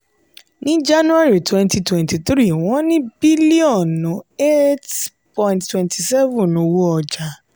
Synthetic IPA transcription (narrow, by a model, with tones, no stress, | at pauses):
nĩ˦d͡ʒa˦nũ˦a˦ɾi˨twɛ̃˧nti˧twɛ̃˨nti˨t̪ɾi˦˨w̃ɔ̃˨˦nĩ˦bi˦li˦ɔ˦˨nːũ˨˦e˦t | pɔ̃˨j̃nttwɛ̃˨nti˨sɛ˦vũ˨nõ˧wo˦ɔ˧d͡ʒa˨